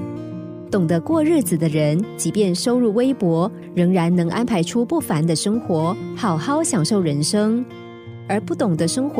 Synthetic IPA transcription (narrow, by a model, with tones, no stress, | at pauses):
t̪ʊ˨˩ŋd̪ə˦kwɔ˥˧ɻɻ̩˥˩d͡z̩˨˩d̪ə˦ɻə˧˥nt͡ɕi˧˥pjɛ˥˩nʂo˥ʊɻu˥˩we˥ɪpwɔ˧˥ | ɻɤ˧˥ŋɻa˧˥nnɤ˧˥ŋʔa˥npʰa˧˥ɪʈ͡ʂʰu˥pu˥˩fa˧˦nd̪ə˧ʂɤ˥ŋxwɔ˧˥xɑ˨˩ʊxɑ˥˩ʊɕjɑ˨˩ŋʂo˥˩ʊɻə˧˥nʂɤ˥ŋ | ə˞˧˥pu˥˩t̪ʊ˨˩ŋd̪ə˦ʂɤ˥ŋxw